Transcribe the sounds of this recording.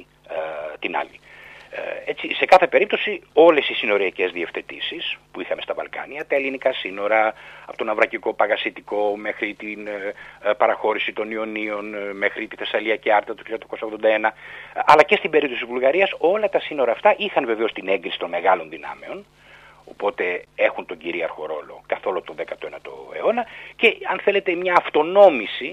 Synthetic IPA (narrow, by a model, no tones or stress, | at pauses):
t̪inɐ̰li | et͡ssise̞kɐθe̞pe̞ɾip̚t̪osio̞le̞sisino̞ɾiɐce̞zðie̞fθe̞t̪ḭsispuixɐme̞st̪ɐvɐ̰lkɐ̰niɐt̪ɐelinikɐsino̞ɾɐɐpot̪onɐvɾɐciko̞pɐɣɐsit̪iko̞me̞xɾit̪in | pɐɾɐxo̞ɾisit̪o̞nio̞nio̞nme̞xɾit̪iθe̞sɐliɐceɐɾt̪ɐt̪o̥çiɐt̪ːɐko̞sɐoɣðo̞nd̪ɐe̞nɐɐlɐce̞st̪imbeip̚t̪o̞sivulɣɐɾiɐso̞lɐt̪ɐsino̞ɾɐːft̪ɐʔixɐnveve̞ost̪ine̞ŋɡɾisi̥t̪o̞nme̞ɣɐlo̞nðinɐ̰meo̞n | o̞po̞t̪e̞e̞xunt̪o̞ɲɟiɾiɐ̰ɾxo̞̰ɾo̞lo̞̰kɐθo̞lot̪o̞nðekɐt̪oenɐt̪o̞̰ḛo̞nɐce̞ɐnθe̞le̞t̪e̞mɲɐːft̪o̞no̞misi